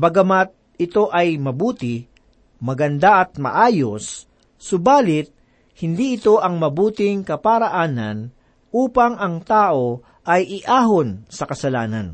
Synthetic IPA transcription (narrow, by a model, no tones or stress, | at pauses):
bɐɡɐmat̪̚ | ɪt̪o̞ʔɐjmɐbuːt̪ɪ | mɐɡɐnd̪aʔɐt̪̚mɐ̰ʔaːjosː | ʊbaːlɪt̪̚ | hɪnd̪iʔɪt̪o̞ʔɐŋmɐbuːt̪ɪŋkɐpaɾɐʔaːnɐ̰n | ʔuːpɐŋʔɐŋt̪aːʔo̞ | ʔɐjʔɪʔaːɦonsɐkɐsɐlaːnɐ̰n